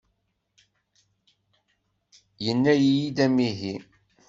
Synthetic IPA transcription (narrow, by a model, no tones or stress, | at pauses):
jənːæjijid̪æmiɦi